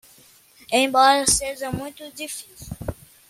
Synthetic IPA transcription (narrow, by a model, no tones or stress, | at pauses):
ẽj̃bɔɾɐseʒɐmũj̃t̪ʊd͡ʒifisiww